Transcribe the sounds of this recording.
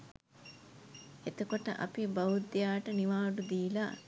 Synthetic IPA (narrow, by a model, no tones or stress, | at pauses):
et̪okoʈə̰ʔɐ̰pibɐud̪ːjaːʈəniʋaːɖud̪iːla̰ː